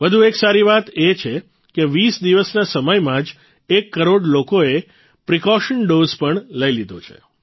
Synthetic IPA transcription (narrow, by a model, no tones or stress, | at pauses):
ʋəd̪ʱueksaɾiʋat̪et͡ʃʰe | keʋisd̪iʋəsnasəməjmãd͡ʒ | ekːəɾoɽlokoe | pɾikɔʃənɖozpəɳləjlid̪ʱot͡ʃʰḛ